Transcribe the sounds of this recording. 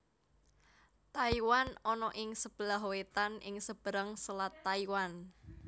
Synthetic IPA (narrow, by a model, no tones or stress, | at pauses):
t̪aiwanɔnɔʔɪŋsəb̥əlaɦowet̪anɪŋsəb̥əɾəŋsəlat̪ːaiwan